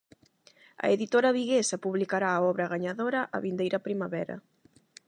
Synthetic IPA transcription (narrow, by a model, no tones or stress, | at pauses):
ɐ̰eðit̪oɾɐβiɣesɐpuβlikaɾaːɔβɾɐɣaɲaðoɾɐʔaβind̪ejɾɐpɾimaβɛɾɐ̰